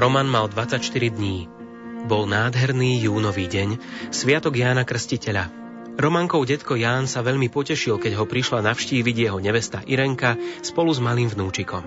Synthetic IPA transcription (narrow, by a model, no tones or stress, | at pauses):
ɾɔmanmald̪ʋat͡sacʃt̪iɾid̪ɲiː | bɔlnaːd̪ɦɛɾniːjuːnɔʋiːɟɛɲsʋɪat̪ɔɡjaːnakr̩scicɛʎa | ɾɔmaŋkɔʊɟɛt̪kɔjaːnsaʋɛʎmipɔcɛʃilkɛɟɦɔpɾiʃlanafʃciːʋiɟjɛɦɔɲɛʋɛst̪aʔiɾɛŋkaspɔluzmaliːmvnuːt͡ʃikɔm